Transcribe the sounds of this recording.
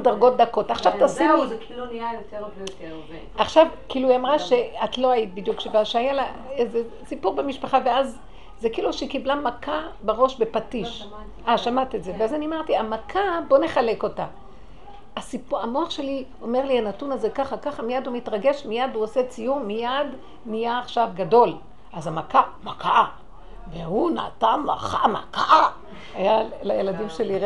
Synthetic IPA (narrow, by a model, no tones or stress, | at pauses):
daʁɡo̞t̚d̪ako̞taχʃavt̪asiu | jot̪ | aχʃavkiːluiamʁaʃeatlo̞ajibid̪jukʃevaʃeajalaeze | sipuʁbemiʃpaχaveaz | zekiiːluʃikiblamakʰabeʁo̞ʃbe̞patiʃ | ʔaʃamat̪ietzeveazenimaʁt̪iamakʰabo̞ne̞χale̞ko̞ta | asipuamo̞aχʃe̞li | o̞me̞ʁlianatunaze̞kaχakaχamijadhumitʁaɡe̞ʃmijad̪uoset͡sijumːijad | nijaːχʃavɡado̞l | ʔazamakamakaa | vehuna̰ːtama̰χama̰kaʔa | ajalajeladimʃeliʁ